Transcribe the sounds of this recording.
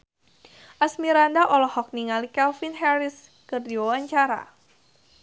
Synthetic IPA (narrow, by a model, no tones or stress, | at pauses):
ʔasmiɾandaʔɔlɔhɔk̚niŋalikɛlfinɦɛɾis | kɨrdiwawaɲt͡ʃaɾa̰